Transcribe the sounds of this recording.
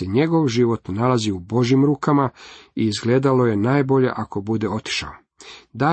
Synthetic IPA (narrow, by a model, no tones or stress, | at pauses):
eɲe̞ɡo̞ʋʒiʋo̞t̪nalaziubo̞ʒjimɾuːkamaiːzɡle̞ːd̪alo̞je̞naːjbo̞ʎe̞̰ʔako̞bud̪e̞o̞t̪i̥ʃa̰o | d̪a